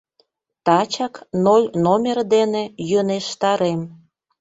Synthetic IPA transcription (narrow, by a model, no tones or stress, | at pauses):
t̪ɑt͡ɕɑknolʲnomʲerd̪enejøneʃt̪ɑɾem